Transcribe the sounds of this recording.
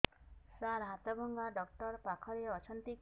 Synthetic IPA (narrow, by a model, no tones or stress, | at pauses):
saɾɦat̪ɔbɔŋɡaɖɔk̚ʈɔɾpakʰɔɾeɔt͡ʃʰɔnt̪ik